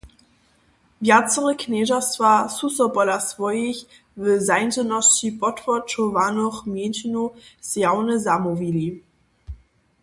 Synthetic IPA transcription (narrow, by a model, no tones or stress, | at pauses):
vjat͡səʁəknɛːʒasvasusɔpɔlasvɔjeç | vəzaɪnzənɔst͡ɕipɔtfɔt͡ʃɔvanɔχmjenɕinusjawnəzamuvili